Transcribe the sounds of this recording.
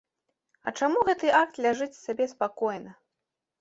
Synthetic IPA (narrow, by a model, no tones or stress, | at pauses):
ɐ̰t͡ʂamuɣɛt̪ɨʔak̚t̪lʲaʐɨt͡sʲsʲabʲɛspakɔjnɐ